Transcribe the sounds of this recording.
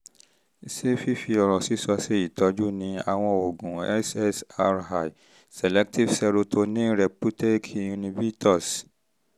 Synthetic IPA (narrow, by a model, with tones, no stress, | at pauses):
i˦˨se˦fi˦fi˧ɔ˨ɾɔ˨si˨˦sɔ˧se˦i˦˨tɔ˨˦d͡ʒu˦nĩ˧˦a̰˨w̃ɔ̃˧o˨ɡũ˨ɛ̰˦sɛ˦sa˧ɾha˨i˨ | sɛ˨lɛ˦k̚ti˦fsɛ˧ɾo˧tʰo˧nĩ˦ɾɛ˨pu˦te˦kʰi˦˨ũ˧nĩ˧bi˦tʰɔ˦˨s